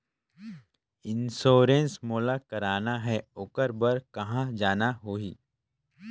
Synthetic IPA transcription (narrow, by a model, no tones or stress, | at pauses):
ɪnsoːɾẽnsmoːlakɐɾaːnaɦɛʊkəɾbəɾkɐɦãd͡ʒaːnaɦoːiː